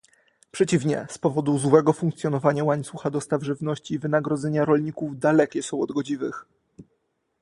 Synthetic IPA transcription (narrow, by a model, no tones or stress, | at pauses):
pʂɛt͡ɕivɲɛ̰spɔvɔd̪uzwɛɡɔfuŋkt̪sjɔnɔvaɲawaɲt̪suxad̪ɔst̪avʐɘvnɔɕt͡ɕivɘnaɡɾɔd̪zɛɲaɾɔlɲikuvd̪alɛkʲɛsɔ̃w̃ɔd̪ɡɔd͡ʑivɘ̰x